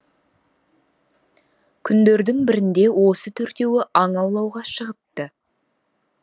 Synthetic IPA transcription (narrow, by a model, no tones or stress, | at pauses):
kʲʰʏnd̪e̞ɾd̪ɪŋbɪɾɪnd̪e̞wo̞sət̪ʰɵɾt̪e̞wɪʔɑɴɑwlˠɑwʁɑʃəʁəp̚t̪ə